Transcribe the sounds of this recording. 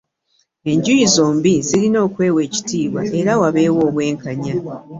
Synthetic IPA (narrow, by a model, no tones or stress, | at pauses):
e̞ɲɟujizo̞ːmbizilino̞ːkwe̞ːwe̞ːci̥tiːβwa̰ʔe̞ɾawaβe̞ːwo̞ːβwe̞ːŋkaɲa